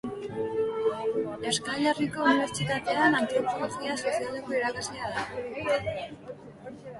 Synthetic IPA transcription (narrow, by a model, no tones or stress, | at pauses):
e̞skaʎeriko̞uniβe̞ɾt͡sit̪at̪e̞anant̪iopoloxiaso̞sialeko̞iɾakazleaða